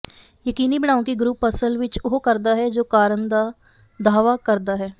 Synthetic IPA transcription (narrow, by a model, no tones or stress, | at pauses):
jəkiːnibəɽ̃aːõkiɡɾuːpːəsəlʋɪt͡ʃoɦokəɾd̪aɦɛd͡ʒoːkaːɾənd̪a | d̪ʱaːʋakəɾd̪aɦɛː